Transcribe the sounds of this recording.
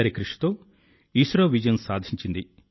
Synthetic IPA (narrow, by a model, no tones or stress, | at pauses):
ɐɾikɾiʂi̥t̪oː | iːsɾoːʋid͡ʒɐjɐnsaːd̪ʱiɲt͡ʃind̪i